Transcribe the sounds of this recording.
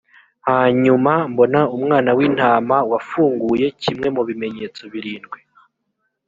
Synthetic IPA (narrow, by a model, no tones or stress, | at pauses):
haɲumambo̞naumŋaːnawiːn̥haːmawafuːŋɡuje̞cimŋe̞muβime̞ɲe̞ːt͡so̞βiɾiːnɡwe